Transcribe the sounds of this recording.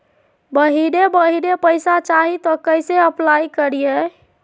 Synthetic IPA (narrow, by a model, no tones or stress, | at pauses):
bəɦiɾebəɦiɾepəjsat͡ʃaɦit̪ɔkəjseəplajkəɾije